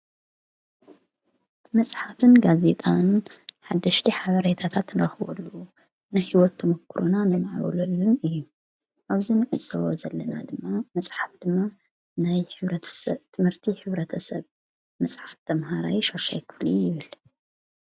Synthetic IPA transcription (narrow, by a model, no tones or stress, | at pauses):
mɐsʼħafɨnɡaze̞t̪ʼanħad̪ːɐʃt̪ʰiħaβɐɾet̪ʰat̪ʰat̪nɨɾɐxβɔ̰lːu | najhiwɔt̪ʰːɐmɐkːɨɾʔonanɐmaʕβɐ̰lolːunɨjːu | ʔaβzinɨʔɨt͡sʼːɐwozɐlːɐna̰d̪ɨmːamɐsʼħafd̪̥ɨmːa | najħʰst̪ʰɨmhɨɾt̪ʰiħɨβɾɐt̪ʰɐsɐβ | mɐsʼħaft̪ʰɐmɦaɾawiʃoɾʃajkʰɨ̥flijɪβɨl